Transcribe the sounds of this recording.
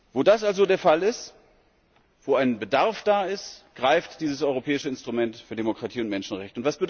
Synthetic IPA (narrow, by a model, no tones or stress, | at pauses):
voːdasʔalzodeːɐfalɪst | v̥oːaɪnbədaɐfd̥aːɪstɡ̥ʁaɪftd̥iːzəsʔɔʏʁopʰɛːɪʃəɪnstʁ̥umɛntfyːɐdemokʁ̥atʰiːʊntmɛnʃn̩ʁɛçtəʊntv̥asb̥əd